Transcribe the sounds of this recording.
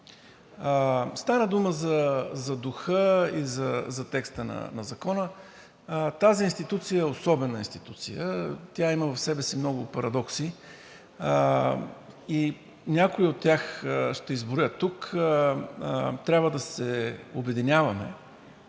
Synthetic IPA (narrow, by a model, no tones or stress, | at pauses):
st̪anəd̪uməzɐzɐd̪ʊxɤizɐzɐt̪ɛkst̪ənɐ̰nɐzɐkɔnə | t̪aziːnst̪it̪ut̪sijəɛosɔbɛnəinst̪it̪ut̪sijət̪ʲjaiməvɐfsɛbɛsimnɔɡʊpɐɾɐd̪ɔksi | i | nʲakʊiot̪ʲːaxʃt̪ɛizbʊɾjət̪ːuk | t̪ɾʲabvəd̪ɐsɛobɛd̪inʲavɐmɛ̰